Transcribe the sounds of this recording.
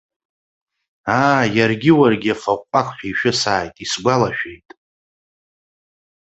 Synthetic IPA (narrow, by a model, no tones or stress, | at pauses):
aːjarɡʲɪwarɡʲɪafaqʷʼakʷʰħʷᶣaiʃᶣʊsaːjtʼisɡʷalaʃᶣejtʼ